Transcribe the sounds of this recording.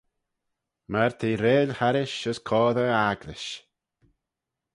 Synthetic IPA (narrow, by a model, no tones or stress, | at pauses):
maɾt̪ʰiːɾeːlʲhaɾɪʃəskʰɔːðəaɡlɪʃ